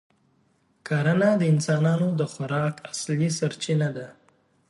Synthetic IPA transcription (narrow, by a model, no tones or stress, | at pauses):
kaɾanad̪əɪnsɑnɑnod̪əxʊɾɑkaslisaɾt͡ʃinad̪a